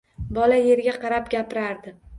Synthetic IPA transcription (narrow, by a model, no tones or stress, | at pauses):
bɒlaje̞ɾɡʲaqʰɑɾapɡʲapɪɾaɾd̪ɪ